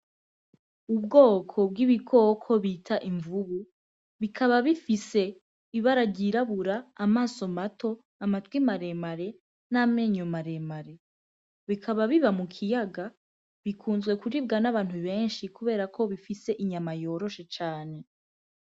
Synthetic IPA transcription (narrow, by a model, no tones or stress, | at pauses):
ubɡoːkʰo̞bɡiβiɡo̞ːkʰo̞βiːtʰaʔiɱvuβu | βikʰaβaβifise̞ | iβaɾaɟiɾaβuɾaːmaːso̞matʰo̞ | amatɡwimaɾe̞maɾe̞ | nameɲomaɾe̞maɾe̞ | βikʰaβaβiβamukʰijaɡa | βikʰuːnzɡwe̞kuɾibɡanaβaːn̥huβe̞ːnʃikuβe̞ːɾakʰo̞βifise̞ʔiɲamajo̞ːɾo̞ʃe̞t͡ʃaːne̞